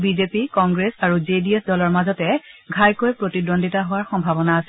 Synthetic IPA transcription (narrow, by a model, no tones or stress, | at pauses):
bizepikɔŋɡɹesaɹuzediesdɔlɔɹmazɔtɛɡʱajkojpɹotidondʱitaɦʊwaɹxɔmbʱabɔnaːsɛ